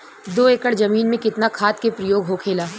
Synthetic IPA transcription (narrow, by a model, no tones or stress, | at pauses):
d̪oːeːkəɽd͡ʒɐmiːnmẽkɪt̪nakʰaːt̪kepɾəjoːɡɦokʰeːlaː